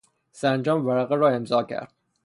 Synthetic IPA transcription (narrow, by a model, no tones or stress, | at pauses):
sænd͡ʒɒːmvæɾæɣeɾɒːemzɒːcʰæ̰ɾd̪̥̚